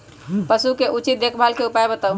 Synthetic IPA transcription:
pəsukeʔut͡ʃit̪̚d̪ekʰbʱalkeupajbət̪a

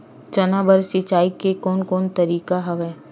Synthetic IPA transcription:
t͡ʃɐnabəɾsit͡ʃaːikekɔːnkɔːnt̪ɐɾiːkaɦɐʋɛ

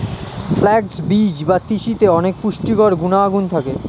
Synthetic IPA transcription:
flɛɡsbid͡ʑbat̪iʃit̪eɔnek̚puʃʈikɔɾɡunaaɡunt̪ʰake

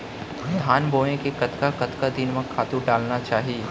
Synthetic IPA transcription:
ɪd̪ʱaːnboːẽkekɐt̪kakɐt̪kad̪ɪnmɐ̃kʰaːt̪uɾɖaːlnat͡ʃaːɦie

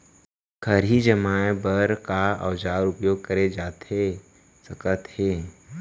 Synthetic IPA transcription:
kʰəɾɦid͡ʒəmaːebəɾkaɐ̰ʋd͡ʒaːɾʊpjoːɡ̚kəɾed͡ʒaːt̪e | sɐkət̪he

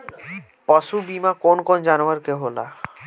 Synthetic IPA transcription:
pɔʃubimakonkond͡ʑanaɾkeɦola̰

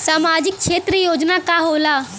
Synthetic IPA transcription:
samad͡ʑik̚kʂet̪ɾəjod͡znakaɦola

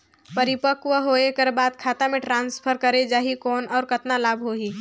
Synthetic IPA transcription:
pɐɾɪpəkʋəɦoːekɐɾbaːd̪̚kʰaːt̪amẽʈɾãːnspʰəɾkɐɾed͡ʒaːɦikɔːnɔːɾkɐt̪nalaːbʱɦoːɦiː

